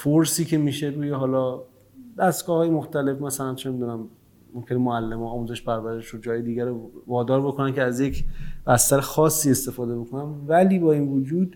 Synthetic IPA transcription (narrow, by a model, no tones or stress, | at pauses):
foɾsiːcʰe̞miːʃe̞ɾuːjeɦɒːlɒː | d̪æst̪ɡɒːhɒːje̞mo̞xt̪æle̞fmæsælænt͡ʃʰe̞miːd̪uːnæmː | omkʰʲe̞nemoælːemɒːɒːmuze̞ʃpʰæɾvæɾe̞ʃod͡ʒɒːjed̪iːɡæɾovɒːd̪ɒːɾbo̞kʰo̞næncʰeæzje̞cʰb̥æst̪æɾexɒːsːiːe̞st̪e̞fɒːd̪e̞bo̞kʰo̞nænvæliːbɒːiːnvod͡ʒuːd̪